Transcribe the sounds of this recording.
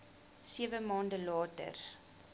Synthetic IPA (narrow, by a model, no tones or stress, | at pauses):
siəvəmɑːndəlɑːtə̰r